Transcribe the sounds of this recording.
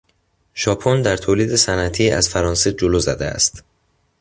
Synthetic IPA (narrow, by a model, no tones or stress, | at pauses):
ʃɒːpʰond̪æɾt̪ʰoːliːd̪e̞sænʔæt̪ʰiːæ̰z̥fæɾɒːnsed͡ʒoloːzæ̰d̪eæ̰st̪